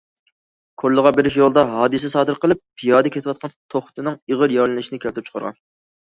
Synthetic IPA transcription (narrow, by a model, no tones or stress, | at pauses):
kʰoɾlːˠəʁɑbeɾɪʃjolˠd̪ɑɦɑːd̪ɨsɛsɑːd̪ɨɾqəlˠɨp̚ːʰijɑːd̪ɨkʲʰet̪ɪwɑt̪̚qʰɑnt̪ʰoχt̪ɨnɨŋəʁəɾjɑɾlɪnɪʃinɪkʲʰɛlt̪ʰɪpt͡ʃʰə̥qʰɑɾʁɑ̰n